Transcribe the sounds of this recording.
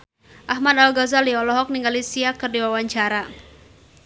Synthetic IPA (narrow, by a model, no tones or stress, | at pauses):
ʔahmad̪alɡɔzaliɔlɔɦɔk̚niŋɡalisiakərdiwawaɲt͡ʃaɾa